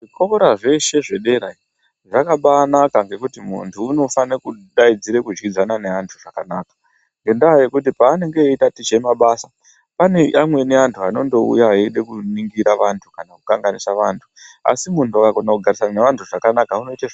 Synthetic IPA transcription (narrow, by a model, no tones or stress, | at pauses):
ʐikokoɾaʐe̞ʃe̞ʐe̞ɗe̞ɾai | ʐakaɓaːnakaŋɡe̞kutimṵntʰuːno̞fanekuɗaid͡ziɾekud͡ʒɡid͡zanane̞antʰuʐakanaːkḁ | ŋɡe̞ndaːjekutipaːne̞ŋɡe̞itatit͡ʃemaɓasa | pane̞ʔamwe̞ne̞antʰuano̞ndo̞ṵjaɦaeɗe̞kuniŋɡiɾaʋantʰukanakukaŋɡanisaʋaːntʰu̥a̰simuntuakakonakuɡʱaɾisananeʋantʰuʐakanakauno̞itaʐ